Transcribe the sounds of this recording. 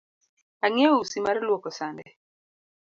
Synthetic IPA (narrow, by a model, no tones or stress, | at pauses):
aŋɛɔusimaɾlwokɔsandɛ